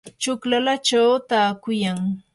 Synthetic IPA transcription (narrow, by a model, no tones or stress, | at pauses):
t͡ʃʊklalat͡ʃawt̪aːkʊjaŋ